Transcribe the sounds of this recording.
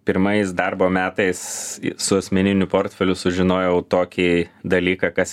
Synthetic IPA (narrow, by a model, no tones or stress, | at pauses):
pʲɪɾmɐs̬d̪ɐrboːmʲæːt̪ɐɪssʊɐsʲmʲɛnʲɪnʲʊpoːɾʲt̪ʲfʲɛlʲʊsʊʒʲɪnoːjɛʊt̪oːkʲid̪ɐlʲiːkɑkɐs